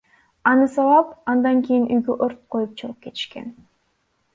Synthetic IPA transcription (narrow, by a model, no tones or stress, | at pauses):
ɑnɯsɑlˠɑpɑnd̪ɑŋkʲijinʔyjɡyʔo̞ɾt̪̚qʰo̞jup̚t͡ʃʰulˠup̚ke̞t̪i̥ʃke̞̰n